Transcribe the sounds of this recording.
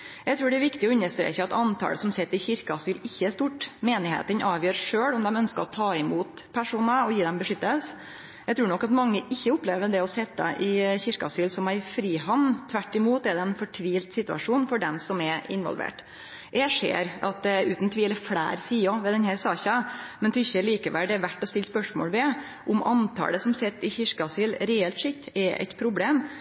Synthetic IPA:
jæɡt̪ʰɾʉːɖɛɾʋɪkt̪ɪɔʏnːəʂt̪ɾḛːçəɑt̪ɑnt̪ʰɑ̰ːləsɔmsɛt̪ːɪçɪɾkɑsyːlɪçːəæʂt̪uʈmeːnɪhḛːt̪ənʔɑːʋjøːɾʂøːɽɔmd̪ɛmœnskəɾɔt̪ʰɑːɪmuːt̪pʰæʂuːnəɔjiːd̪ɛmbəʂʏt̪ːəls | jæɡt̪ʰɾʉːnɔkːɑt̪mɑŋːəʔɪçːəʊpleːʋəɖɛɔsɛt̪ːə̰ʔɪçɪɾkɑsiːlsɔmæɪfɾiːɦɑnːt̪ʰʋæʈːɪmuːt̪ɛd̪ɛɛnfɔʈʰʋiːlt̪sɪt̪ʉɑ̰ʂuːnfɔɖɛmsɔmɛɪ̰nʋɔ̰lʋḛːʈ | ʔɛʂḛːɾɑt̪̚d̪ɛʉːt̪nt̪ʰʋiːləfɽæ̰ːɾsiːɔʋɛd̪ɛnhæɾsɑːçɑmɛnt̪ʰʏçːəliːkəʋælɖ̪ɛɾʋæʈːɔst̪ɪlːspœʂmo̰ːlʋɛ | ʔʊmʔɑ̰nt̪ʰɑ̰ːləsɔmsɛt̪ːɪçɪʂkɑsylɾɛɛlt̪ʂɪkt̪ːɛɾʔɛ̰ɪt̪pʰɾʊbleːm

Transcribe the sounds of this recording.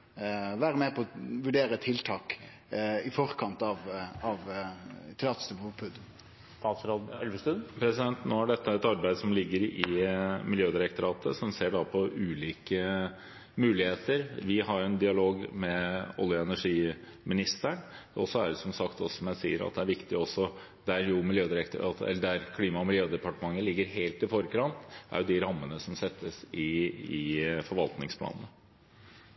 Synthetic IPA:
ʋæːɾəmeːpʰɔʋʉɖeːɾət̪ʰɪlt̪ʰɑːk | ɪfɔɾkʰɑnt̪ɑʋɑʋt̪ʰɪlɑt̪st̪ʉmɔpʰʉd̪ | t̪ɑːt̪sɾɔld̪ɛlʋəst̪ʉnpʰɾɛsɪd̪ɛnt̪noːæɖɛt̪ːəɛt̪ɑɾbæɪd̪sɔmlɪɡːəɾɪmɪljøːd̪ɪɾɛk̚t̪ʊɾɑːt̪ʰəsɔmseːɖɑːpʰɔʉːliːkə | mʉːlɪheːt̪əɾʋɪɦɑɾjʊɛnd̪ɪɑloːɡmɛɔ̰ljəɛnæʂiːmɪnɪst̪əɳɔsːɔæɾsɔmsɑkt̪ɔsɔsɔmjæɪsḭːəɾɑ̰t̪̚d̪ɛæɾʋɪkt̪ɪɔsːɔ | d̪̥æɾjʊmɪljøːd̪ɪɾɛkt̪ʊɾɑ̰ːt̪əɛ̰lːəɖæɾkʰliːmɑɔmɪljøːd̪ɛpɑʈəmɑŋːəlɪɡːəɾɦeɪlt̪ɪfɔɾkɾɑnt̪æ̰ɾjʊd̪ɪɾɑmːənəsɔmsɛt̪ʰːəsɪɪfɔɾʋɑlt̪nɪŋspʰlɑ̰ːnənə

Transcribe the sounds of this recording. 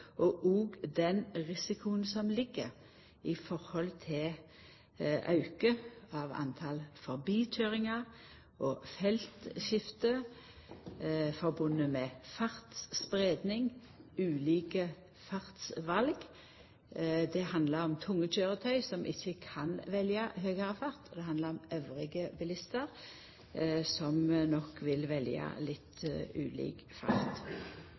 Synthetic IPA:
ʔɔʔuːɡd̪ɛnʁɪsɪkʰʊənsɔmlɪɡːəʁ | ɪfɔʁhɔlt̪ʰɪl | ʔɑ̰ʉkəɑːʋɑ̰nt̪ʰɑlfɔʁbiːt̪ʰøːʁɪŋɑ | ʔofɛlt̪ʃɪft̪ə | fɔʁbʊnːəmɛːfɑʁt̪sspʁeːd̪nɪŋ | ʉːliːkə | fɑʁt̪sʋɑlɡ | d̪ɛhɑnd̪ləɾɔmt̪ʰʊŋːət͡ʃøːʁət̪ʰœʏsɔmʔɪçːəkʰɑnʋɛljɑɦøːɡəʁəfɑʁt̪ɔd̪ɛhɑnd̪ləʁɔmœʋʁɪɡəbəlɪst̪əʁ | sɔmnɔkːʋɪlʋɛljɑ̰lɪt̪ʰʉ̰ːlḭːk | fɑ̰ʁt̪

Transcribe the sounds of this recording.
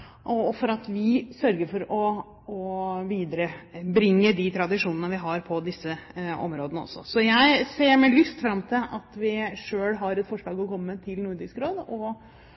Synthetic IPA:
ʔɔfɔɾɑt̪ʋɪsœɾɡəɾfɔɾɔ | ɔʋiːd̪əɾəbɾɪŋːəd̪it̪ʰɾɑd̪ɪʂuːnənəʋɪɦɑɾpʰɔd̪ɪsːəɔ̰mɾoːd̪ənəɔ̰sːɔ̰sɔjæɪseːɾmeːlʏst̪fɾɑmːt̪ʰɪlʔɑt̪ʋɪʂøːlɦɑɾɛt̪fɔʂɭɑːɡɔkɔmːət̪ʰɪlnʊɾɖɪskɾoːd̪ɔ

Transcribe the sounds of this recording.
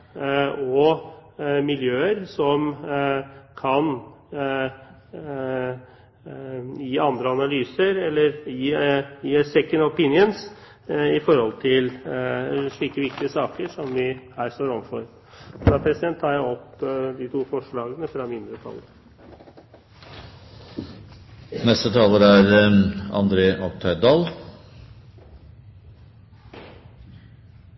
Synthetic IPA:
ɔ | mɪljøːəɾsɔm | kʰɑn | jiːɑnd̪ɾəɑnɑlyːsəɾɛlːəɾjiːjiːsɛkːənɔpɪnɪəns | ɪfɔɾhɔlt̪ʰɪl | ʂɭiːkəʋɪkt̪ɪəsɑːkəʂɔmʋɪhæːɾst̪oːɾɔmfɔɾ | fd̪ɑːpʰɾɛsɪd̪ɛnt̪ʰːɑːɾjæɪɔpd̪ɪt̪ʰuːfɔʂɭɑːɡənəfɾɑmɪnd̪ɾət̪ʰɑ̰lːə | nɛst̪ət̪ʰɑːləɾæɾɑ̰nd̪ɾeːʔɔk̚t̪ʰœɪd̪ɑːl

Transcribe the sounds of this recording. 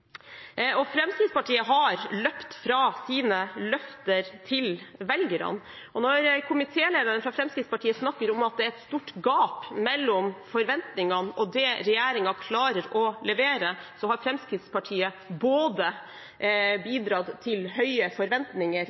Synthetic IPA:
ɔfɾɛmskɾɪt̪spɑʈʰiːəɦɑɾlœpt̪fɾɑsiːnəlœft̪əɾt̪ʰɪlʋɛlɡəɾɑ̰n | ʔɔnɔɾkʰʊmɪt̪ʰeːleːd̪əɾənfɾɑfɾɛmskɾɪt̪spɑʈʰiːəsnɑkːəɾɔmɑt̪̚d̪ɛæɾɛt̪st̪uːʈɡɑːpmɛlːɔmfɔɾʋɛnt̪nɪŋɑnɔd̪ɛɾɛjeːɾɪŋɑkʰlɑːɾəɾɔlɛʋeːɾəsɔɦɑɾfɾɛmskɾɪt̪spɑʈʰiːə | boːd̪ə | biːd̪ɾɑd̪t̪ʰːɪlhœʏəfɔɾʋɛnt̪nɪŋəɾ

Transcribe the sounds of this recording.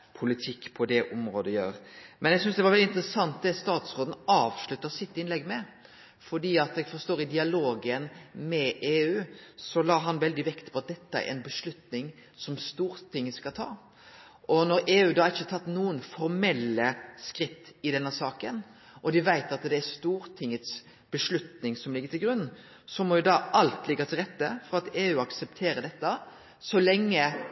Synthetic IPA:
pʰʊlɪt̪ʰɪkːpʰɔd̪ɛʔʊmɾoːd̪əjø̰ːɾmʔɛnjɛɡsʏnsd̪ɛʋɑɾʋɛldɪnt̪ɾəsɑnt̪̚d̪ɛst̪ɑːt̪sʁoːd̪n̩ɑːʋʂlʉt̪ːəsɪt̪ːɪnlɛɡːmɛ | fɔɖiːɑt̪ɛɡfɔst̪oːɾɪd̪ɪɑloːɡənmɛʔeːʉːsɔlɑːɦɑnʋɛld̪ɪʋɛkt̪pʰɔɑt̪̚d̪ɛt̪ːəæ̰ɾɛ̰nbəʂlʉt̪nɪŋsɔmst̪uːɾt̪ʰɪŋːskɑt̪ʰɑ̰ː | ʔɔnɔɾeːʉːd̪ɑːɾɪçːət̪ʰɑt̪ːnuːənfɔɾmɛlːəskʁɪt̪ːɪd̪ɛnːəsɑːkən | ʔɔd̪ɪʋæɪt̪ɑt̪d̪ɛæɾst̪uːɾt̪ʰɪŋːət̪s | b̥əʂlʉt̪nɪŋsɔmlɪɡəɾt̪ʰɪlɡɾʉnː | sɔmɔjʊd̪ɑʔɑlt̪lɪɡːɑt̪ʰɪlʁɛt̪ːəfɔɾɑt̪eːʉːɑksɛp̚t̪ʰeːɾəd̪ɛt̪ːə | sɔlɛŋːə

